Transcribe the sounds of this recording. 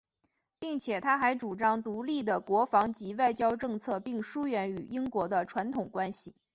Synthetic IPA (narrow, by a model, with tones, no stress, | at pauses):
pi˥˩ŋt͡ɕʰjɛ˨˩t̪ʰa˥xa˧˥ɪʈ͡ʂu˨˩ʈ͡ʂɑ˥ŋt̪u˧˥li˥˩d̪ə˩kwɔ˧˥fɑ˧˥ŋt͡ɕi˧˥wa˥˩ɪt͡ɕjɑ˥ʊʈ͡ʂɤ˥˧ŋt͡sʰɤ˥˧pi˥˩ŋʂu˥ɥɛ˧˥ny˨˩i˥ŋkwɔ˧˥d̪ə˧ʈ͡ʂʰwa˧˥nt̪ʰʊ˨˩ŋkwa˥nɕi˨˩